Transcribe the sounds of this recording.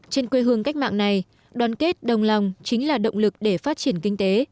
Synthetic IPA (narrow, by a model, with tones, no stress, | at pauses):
t͡ɕe˧nkwe˧ɦɨ˨˧˩əŋka˦˥jk̟̚ma̰ː˧˨ŋna˨˩j | ɗwaː˨˦nke˦˥t̚ɗə˨˩wŋ͡mla˨˩wŋ͡mt͡ɕï˨˦ŋ̟laː˨˩ɗə̰˧˨wŋ͡mlɨ˨˩k̚ɗe˧˩faː˦˥t̚t͡ɕi˧˩ənkï˧ŋ̟t̪e˨˦